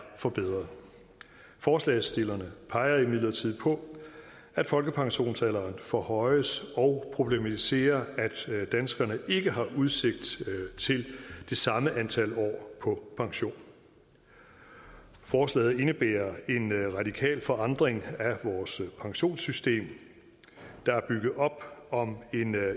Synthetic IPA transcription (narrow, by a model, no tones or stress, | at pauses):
fɒ̽b̥eð̞̰ˠʁɐð̩ˠ | fɒːslɛ̰sd̥e̝lɐnəpʰɑ̈ɪɐimeðˠlɐt͡sʰið̞̰ˠpʰɒ̽ | æd̥fɒ̽lɡ̥əpʰɑ̈ŋɕo̝̰ːnsælɐːnfɒhɒ̽ɪəsɒ̽ʊpʰʁo̝b̥lemæt͡sʰise̝̰ːɐæd̥d̥ænsɡ̥ɐnəe̝ɡ̥əɦɑ̈ʔuð̞ˠse̝ɡ̥̚d̥t͡sʰe̝ld̥e̝sɑ̈məʔænt͡sʰæl̰ɒ̰ːpʰɒ̽pʰɑ̈ŋɕo̝̰ːn | fɒːslɛ̰ːð̩ˠe̝nəb̥ḛːɐe̝nʁɑ̈d̥ikʰɛ̰ːlfɒ̽ɑ̈nd̥ʁeŋæʋɒːspʰɑ̈ŋɕo̝̰ːnsysd̥e̝̰ːm | d̥ɑ̈æɐb̥yɡ̥ð̞̩ˠɒ̽b̥ɒ̽me̝n